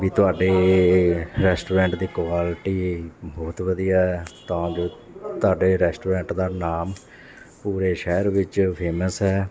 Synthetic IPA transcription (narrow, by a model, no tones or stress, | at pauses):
ʋiːt̪ʊaːɖeː | ɾɛːsʈuːɾɛ̃ːɳʈd̪iːkwaːlʈiːbɔːt̪ʋəd̪ijaːɛt̪ãːd͡ʒoː | t̪ʊaːɖeːɾɛːsʈuːɾɛ̃ːɳʈd̪aːnaːm | puːɾeːʃɛːəɾʋɪt͡ʃpʰeːməsɦɛː